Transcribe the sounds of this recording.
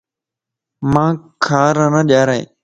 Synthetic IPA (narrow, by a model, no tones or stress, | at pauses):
mãːkʰaːɾənəːɗaːɾeḛː